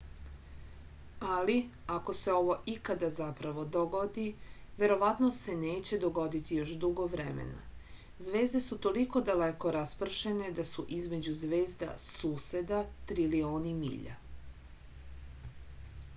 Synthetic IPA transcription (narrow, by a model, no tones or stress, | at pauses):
aliako̞se̞o̞ʋo̞ʔikad̪azapɾaʋod̪o̞ɡod̪iʋe̞ɾo̞ʋat̪nose̞neːt͡ɕe̞d̪o̞ɡo̞d̪it̪ijo̞ʃd̪uɡoʋɾemḛna̰ | zʋe̞ːzd̪e̞sut̪o̞liko̞d̪aleko̞ɾaspr̩ʃe̞ne̞d̪asuʔizme̞d͡ʑuzʋe̞ːzd̪a̰suːse̞d̪at̪ɾilio̞ːnimḭːʎa̰